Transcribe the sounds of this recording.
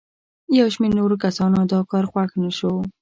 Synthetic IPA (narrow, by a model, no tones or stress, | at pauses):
jawʃmeɾnoɾok̬asɑnod̪ɑkɑɾxwaxnaʃow